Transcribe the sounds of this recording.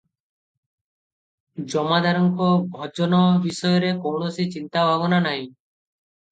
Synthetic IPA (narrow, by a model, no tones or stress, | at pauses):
d͡ʒɔmad̪ʱaɾɔŋkobʱɔd͡ʒɔnɔbisɔjɔɾekownosit͡ɕint̪abʱaβɔnanaj̃